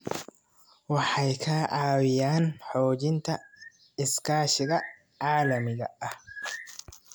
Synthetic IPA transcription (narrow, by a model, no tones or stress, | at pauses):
wɐħɐjkʰɐʔaːwɪjaːnħoːd͡ʒɪnt̪ʰɐ | ɪskaːʃɪɡɐ | ʕaːlɐmɪɡɐ̰ʔɐh